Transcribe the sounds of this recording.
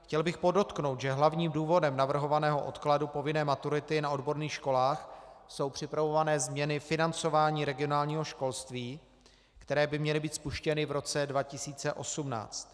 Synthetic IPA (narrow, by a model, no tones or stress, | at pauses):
xcɛlbɪxpo̞do̞t̪kno̞wt̪ʒɛɦlavɲiːmduːvo̞dɛmnavr̩ɦo̞vanɛːɦo̞ʔo̞̰t̪kladupo̞vɪnɛːmat̪uɾɪt̪ɪnao̞dbo̞ɾniːxʃko̞laːxso̞wpr̥ɪpɾavo̞vanɛːzmɲɛnɪfɪnant͡so̞vaːɲiːɾɛɡɪonaːlɲiːɦo̞ʃko̞lst̪viː | kt̪ɛɾɛːbɪmɲɛlɪbiːt̪spuʃcɛnɪvɾo̞t͡sɛdvacɪsiːt͡sɛʔo̞sumna̰ːt͡st̪